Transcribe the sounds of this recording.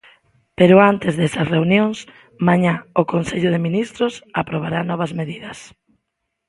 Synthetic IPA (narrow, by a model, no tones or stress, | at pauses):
peɾʊant̪ezðesɐsreunjoŋs | maɲaʊkonseʎʊð̞ɪminist̪ɾʊsapɾoβ̞aɾanɔβ̞ɐzmeðiðɐs